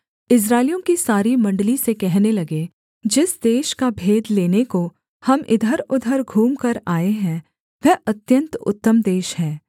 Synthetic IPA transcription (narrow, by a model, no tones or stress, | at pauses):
ɪs̬ɾaːɪlijõkisaːɾimɐ̃ɳɖlisekɛɦnelɐɡe | d͡ʒɪsd̪eːʃkabʱeːd̪leːneko | hɐmɪ̰d̪ʱəɾʊd̪ʱəɾɡʱuːmkɐɾaːeɦɛ̃ | ʋɛːɐt̪jə̃nt̪ʊ̰t̪ːəmd̪eːʃhɛ̃ː